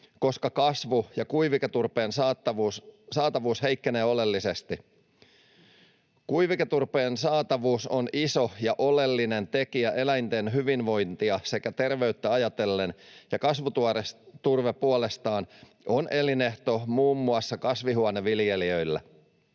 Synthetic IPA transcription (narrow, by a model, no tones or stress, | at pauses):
ko̞skɑkɑsʋujɑkujʋiket̪urpe̞ːnsɑɑussɑːt̪ɑʋuːshe̞jkːene̞ːo̞le̞lːise̞st̪i | kujʋiket̪urpeːnsɑːt̪ɑʋuːsoniso̞jɑʔo̞le̞lːine̞nt̪e̞kiæʔe̞læjnt̪e̞nɦyʋinʋo̞jnt̪iɑse̞kæt̪e̞rʋe̞yt̪ːæɑjɑt̪e̞lːenjɑkɑsʋut̪uɑrest̪urʋepuole̞st̪ɑːn | ʔo̞nʔe̞line̞ht̪o̞muːmːuɑsːɑkɑsʋiɦuɑneʋilje̞liø̞jlːæ̰